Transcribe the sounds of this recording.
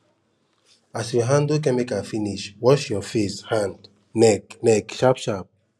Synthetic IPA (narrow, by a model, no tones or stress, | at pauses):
asjuɦãndok̬ɛ̃nmekafiniʃwɔʃjɔfeshãnd | nɛknɛkʃapʃap̚